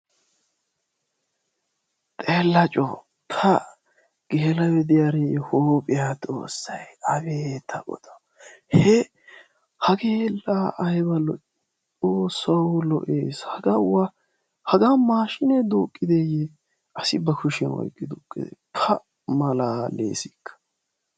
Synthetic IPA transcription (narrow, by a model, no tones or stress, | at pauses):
t̪ʼelːɐt͡ʃʼɔ̰ | pʰɐ | ɡ̥eːlɐwɛd̪ɪjaɾejɛhoːpʼɪjat̪ʼo̰ːsːɐjɐbeːt̪ʰɐʔɔ̰d̪ɔ̥ | hɛ | hɐɡeːlaʔɐjɛbɐlɔʔ | t͡sʼoːsːɐwlɔ̰ʔeːshɐɡɐwɐ | hɐɡamaːʃɪnɛd̪ʊkʼːɪd̪eje | ʔɐsɪbɐkʰʊʃɪnwɔ̰jkʼːɪd̪ʊkʼːɪ̰d̪ɛ̰pʰɐ | mɐlaːlḛːsɪkʰːɐ̥